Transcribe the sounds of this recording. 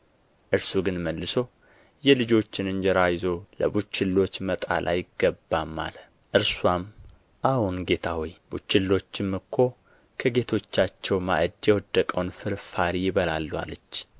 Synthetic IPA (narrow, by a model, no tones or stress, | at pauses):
ʔɨɾsuɡɨnməlːɨso | jɛlɨd͡ʒo̞t͡ʃːɪnɨnd͡ʒɛɾajzo̞ləbut͡ʃːɪlːo̞t͡ʃːmət̪ʼa̰lʔa̰jɪɡːəbːamːa̰l | ʔɨɾswam | ʔahunɡe̞t̪ʰawɔjb̥ut͡ʃːɪlːo̞t͡ʃːɪmːɨkʰːo̞ | kʰəɡe̞t̪ʰo̞t͡ʃːat͡ʃːɛwma̰ʔəd̪jɛwɔd̪ːəkʼəwnfɨɾfaɾijɪβəlalːwa̰lət͡ʃː